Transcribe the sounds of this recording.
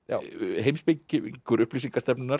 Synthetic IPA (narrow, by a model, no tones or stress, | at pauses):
ja̰ɦejmspɪcɪkʰʏɾʏhplisiŋkast̪ɛpnʏnaɾ